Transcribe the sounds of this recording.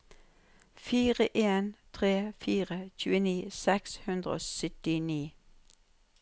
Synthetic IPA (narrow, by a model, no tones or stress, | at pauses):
fiːʁəʔeːnt̪ʰʁeːfiːʁəçʉːəniːsɛkshʉnd̪ʁəo̰ːsœt̪ɪniː